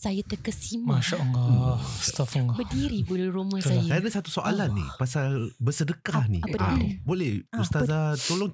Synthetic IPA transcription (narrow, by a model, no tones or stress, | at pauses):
sajat̪əkəsimmãʃaʔŋɡɔst̪afŋɡɔbədiɾibuluɾumãsajaadəsat̪usoʔa̰lanːḭpasabəsədəkahnḭaabolɛhust̪azat̪oloŋ